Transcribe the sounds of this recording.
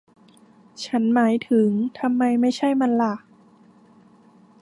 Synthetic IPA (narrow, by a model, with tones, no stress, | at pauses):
t͡ɕʰa˦˥nmaː˩˦jt̪ʰɯ˩˦ŋt̪ʰa˧mːa˧jma˥˩jt͡ɕʰa˥˩jma˧nla˨˩